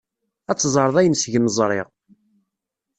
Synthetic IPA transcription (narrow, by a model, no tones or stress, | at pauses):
æt͡sːzˤəɾˤəðˤæjənsʝəməzˤɾˤɪ̰ʁ